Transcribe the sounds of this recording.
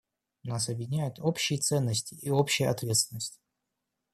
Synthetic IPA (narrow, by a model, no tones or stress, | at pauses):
nas̬ɐbʲjʲɪdʲɪnʲæjʊt̪opɕːɪjt̪sɛnːəsʲtʲɪʔiopɕːɪjəɐ̰t̪vʲe̞t̪st̪ʲɪnəsʲtʲɪ̥